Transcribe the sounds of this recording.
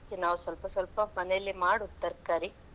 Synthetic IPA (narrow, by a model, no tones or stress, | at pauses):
kːenaːʋusʋɐlpɐsʋɐlpɐmɐnɛjɐlːimaːɽut̪ːɐɾkːaːɾi